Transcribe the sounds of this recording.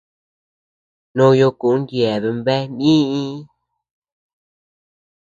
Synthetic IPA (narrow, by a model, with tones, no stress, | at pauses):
nõ˦jo˧ku˨ʔŋ˦ɡjɛ˨βe˨mbɛ˦nĩ˦i˦